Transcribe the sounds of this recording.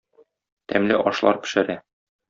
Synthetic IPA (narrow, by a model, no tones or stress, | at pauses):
t̪æmlɘʔɒʃlˠɑ̰ɾkɵ̥̆ʃɘ̆ɾæ